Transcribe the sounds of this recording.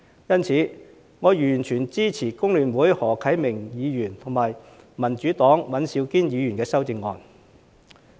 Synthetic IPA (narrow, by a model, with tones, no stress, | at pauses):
jɐ˥nt͡sʰiː˨˥ | ŋɔː˨˧jyː˨˩nt͡ʃʰyː˨˩nt͡siː˥t͡sʰiː˨˩kʊ˥ŋlyː˨nwuː˨˥jhɔː˨˩kʰɐ˨˥jmɪ˨˩ŋjiː˨˧jyː˨˩nt̪ʰʊ˨˩ŋmaː˨˩j | mɐ˨˩nt͡ʃyː˨˥t̪ɔː˨˥ŋwɐ˨˥nsiː˨˧wkiː˥njiː˨˧jyː˨˩nkɛː˧sɐ˥wt͡sɪ˧ŋːɔ̰ː˧n